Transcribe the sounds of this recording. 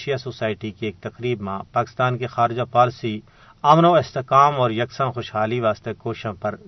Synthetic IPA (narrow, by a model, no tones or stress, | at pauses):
ʃjasoːsaːɪʈikieːk̚t̪ɐqɾiːbmãpaːkɪ̥st̪aːnkexaːɾɪd͡ʒapaːlsi | ɐmnoɪst̪ekaːmɔːɾjɐksə̃nxʊʃɦaːliʋaːst̪ekoːʃãpɐɾ